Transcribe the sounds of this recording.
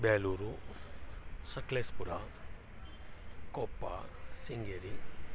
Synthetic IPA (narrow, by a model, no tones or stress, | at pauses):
beːluːɾu | sɐkleːspuɾa | kopːa̰siŋɡeɾi